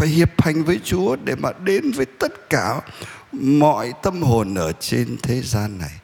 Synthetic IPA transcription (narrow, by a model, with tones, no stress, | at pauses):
faː˧˩jhi˨˩əp̚ha˨˩jŋ̟vəː˨˦jt͡ɕu˨˦əɗe˧˩maː˨˩ɗe˨˦nvəː˨˦jt̪ə˦˥t̚kaː˧˩ | mɔ̰˧˨jt̪ə˧mho˨˩nʔəː˧˩t͡ɕe˧nt̪ʰe˨˦zaː˧nːa˨˩j